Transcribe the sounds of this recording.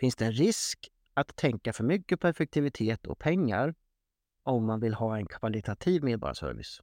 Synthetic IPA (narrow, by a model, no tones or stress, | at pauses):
fɪnsd̪ɛːnɾɪsk | at̪ʰːɛŋkafœɾmʏkːəpʰɔɛɾfɛk̚t̪ʰɪvɪt̪ʰeːt̪ʰɔ̰k̚pʰɛŋːa̰ɾ | ɔmːanvɪlhɑːɛnkʰvalɪt̪ʰat̪ʰiːvmeːd̪bɑ̰ːɾ̰sœ̰ɾvɪ̰s